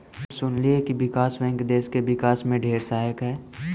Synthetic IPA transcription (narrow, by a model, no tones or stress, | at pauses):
sʊnliekiʋɪkaːsbɛ̃ːŋkd̪eːskeʋɪkaːsmẽɖʱeːɾsaːjəkɦɛː